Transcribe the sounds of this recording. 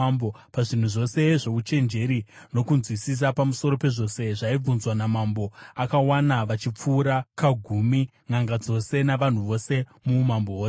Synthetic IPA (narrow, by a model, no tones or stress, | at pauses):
bo | paʐin̤uʐo̞se̞ʐo̞ut͡ʃe̞nd͡ʒe̞ɾi | no̞kunzwisis̬apamuso̞ɾo̞pe̞ʐo̞se̞ʐaib͡vunzwanamambo̞akawanaʋat͡ʃip͡fuːɾakaɡʱumi | ŋaŋɡad͡zo̞se̞naʋan̤uʋo̞se̞mumambooːse